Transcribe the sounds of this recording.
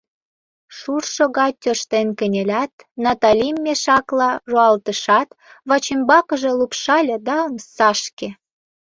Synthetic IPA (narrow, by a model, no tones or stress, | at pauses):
ʃurʃoɣɑt̪ʲːørʃt̪enkə̆nʲelʲæt̪ | nɑt̪ɑlʲimːeʃɑklɑʒoɑlt̪ə̆ʃɑt̪ | βɑt͡ɕimbɑkə̆ʒe̽lupʃɑlʲĕd̪ɑəmsɑʃke